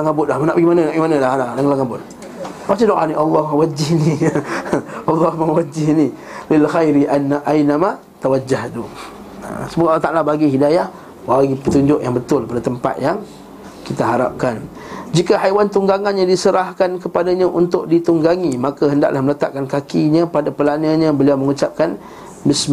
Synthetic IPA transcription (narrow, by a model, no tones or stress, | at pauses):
laŋabʊt̪̚lahmanaʔbaɡimananaʔbaɡimanəlahnalaŋlaŋabʊt̪̚ | mat͡ʃadoʔaniʔɑlːɔhmawad͡ʒihni | ɑlːɑhmawad͡ʒɪhni | lɪlxajɾiʔanːaʔainama | t̪awad͡ʒaht̪u | a̰səmuɡaʔlːɑht̪aʔlahbaɡiɦidajah | waɡipət̪uɲd͡ʒʊʔjaŋbət̪ʊlpadat̪əmpa̰t̪̚jaŋ | kit̪aɦaɾa̰p̚kan | d͡ʒikaɦajwant̪uŋɡaŋanɲãdisəɾahkankəpadaɲãʔunt̪ʊʔ̚dit̪uŋɡaŋimakaɦənda̰ʔlahmələt̪a̰ʔkːankakiɲãpadapəlanaɲãbəliawməŋut͡ʃap̚kan | bɪsma